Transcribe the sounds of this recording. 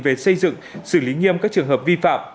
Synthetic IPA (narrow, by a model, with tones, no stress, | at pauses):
ve˨˩sə˧jzɨ̰˧˨ŋsɨ˧˩li˨˦ŋi˧əmkaː˦˥k̚t͡ɕɨ˨˩əŋɦəː˨˩p̚vi˧fa̰ː˧˨m